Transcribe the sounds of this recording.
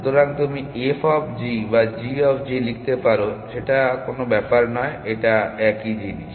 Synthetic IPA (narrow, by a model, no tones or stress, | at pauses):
ut̪oɾaŋt̪umiefʰɔbʰd͡ʑibad͡ʑiɔpʰd͡ʑilik̚ʰt̪epaɾoʃeʈakonobɛpaɾnɔeeʈaɛkid͡ʑiniʃ